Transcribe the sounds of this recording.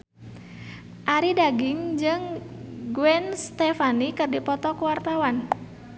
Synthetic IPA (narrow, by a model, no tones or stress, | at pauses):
ʔaɾidaɡɪŋd͡ʒɨŋɡuwɛnst̪ɛfanikɨrdipɔt̪ɔkuwart̪awan